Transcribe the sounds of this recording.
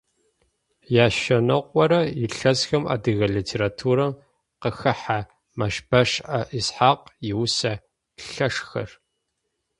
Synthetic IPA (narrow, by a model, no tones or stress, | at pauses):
jaːʃɐnɐqʷʼɔɾɐjɪɬɐsxɐma̰ːdɨɣɐɮiːtʰeːɾaːtʰuːɾɐm | qəxɐħa | mɐʃbɐʂʔɐʔisħaːqjɪwsa | ɬɐʂxɐ̰r